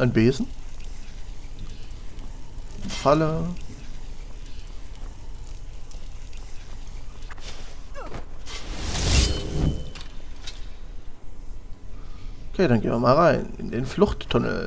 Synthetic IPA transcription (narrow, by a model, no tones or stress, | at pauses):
ʔaɪnbeːzn̩ | falə | ʔʔokʰeːɾanɡeːnviɐmaːlʁaɪnɪ̰ndeːnflʊχtʰːʊnl̩